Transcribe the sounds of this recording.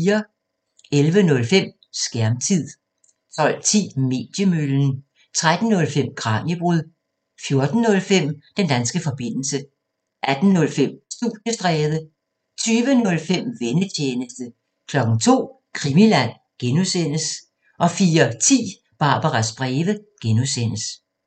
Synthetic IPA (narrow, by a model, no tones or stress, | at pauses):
iːɐ | elʋənɔ̽lfem̰ | sɡ̥æɐmt͡sʰið̰ˠ | t͡sʰɒ̽l̰t͡sʰḭːme̝̰ːd̥jəmøln̩ | t͡sʰʁad̥n̩ːɔ̽lfem̰ɡ̥ʁɑ̈ːnəb̥ʁuð̰ˠ | fjo̝ɐd̥n̩ːɔ̽lfem̰d̥end̥ænsɡ̥əfɒ̽b̥e̝n̰l̩sə | ʔæd̥n̩nɔ̽lfem̰sd̥ṵ̥jəsd̥ʁɛːðˠə | t͡sʰyːʋənɔ̽lfem̰ʋenət͡ɕʰeːnəsd̥ə | kʰlɒ̽ɡ̥n̩t͡sʰo̝̰ː | kʰʁimilæn̰ | ɡ̥enusen̰əs | ʔɒ̽fiːɐt͡sʰḭː | b̥ɑ̈ːb̥ɑʁɑsb̥ʁɛːʋəɡ̥enuðˠsenəs